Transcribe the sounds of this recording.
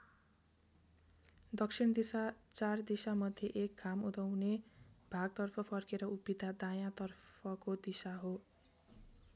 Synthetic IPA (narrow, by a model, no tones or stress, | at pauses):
d̪ʌksʰind̪isat͡sard̪isamʌd̪ʱːjeʔekʰːamud̪awnebʱaɡ̚t̪ʌrpʰʌpʰʌrkeɾʌupːit̪ad̪ajãt̪ʌrpʰʌkod̪isaɦo